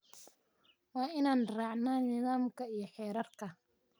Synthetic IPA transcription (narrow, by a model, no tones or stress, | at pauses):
wɑːʔɪnaːnraːʕnaːnɪðaːmkɐijɔħɛːɾɐrkʰɐ